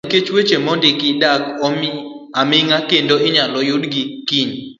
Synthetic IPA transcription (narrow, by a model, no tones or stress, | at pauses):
ket͡ʃwet͡ʃemɔndɪkɪdak | amɪŋakendoʔɪɲalɔjʊdɡikiɲ